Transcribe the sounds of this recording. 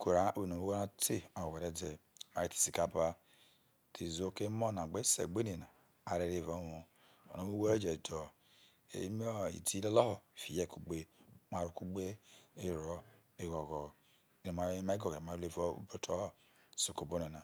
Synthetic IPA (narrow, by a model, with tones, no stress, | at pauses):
ko˨ɾa˦be˨no˨u˦wo˦ɾa˦ti˦a˨we˨ɾe˨˦de˨ma˨i˦ti̥˨si˨ka˦˨ba˦ | tʰe˨zo˦ke˦mo˦˨na˨ɡ͡be˦sḛ˨ɡ͡be˦ne˨na˨ | a˨ɾe˨ɾe˦˨vo˦wo˨ | o̰˨no˦wu˦wo˦ɾe˦d͡ʒe˨do˨ | ḛ˨˦m˦o˦ḭ˨ti˦o˦lɔ˦ho˨fi˨je˦˨ku˨ɡ͡be˦ma˨ɾu˨ku˦ɡ͡be˦e˦ɾɔ˨ | e˦ɡo˨ɡɔ˨ | i˨no˨ma˨˦ma˦i˦ɡo˨ɡma˨˦e˦vo˦ṵ˦bo˦tʰo˦˨ | so˨ko˨bo˦ne˨na˨